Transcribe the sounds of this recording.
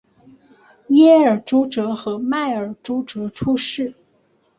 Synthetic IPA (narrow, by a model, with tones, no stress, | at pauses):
jɛ˥ə˞˨˩ʈ͡ʂu˥ʈ͡ʂɤ˧˥xɤ˧˥ma˥˩ɪə˞˨˩ʈ͡ʂu˥ʈ͡ʂɤ˧˥ʈ͡ʂʰu˥ʂɻ̩˥˩